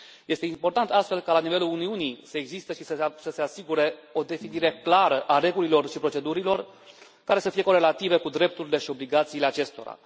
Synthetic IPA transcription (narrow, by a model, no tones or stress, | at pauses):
je̞st̪eimpo̞rt̪ant̪ast̪fe̞lkalanive̞luluniunijsəeɡzist̪əʃisəsəse̞asiɡuɾe̞o̞d̪e̞finiɾe̞klaɾəʔare̞ɡulilo̞rʃipɾo̞t͡ʃe̞d̪uɾilo̞r | kaɾe̞səfije̞ko̞ɾe̞lat̪ive̞kud̪ɾe̞p̚t̪uɾile̞ʃio̞bliɡat̪siːle̞at͡ʃe̞st̪o̞̰ɾa̰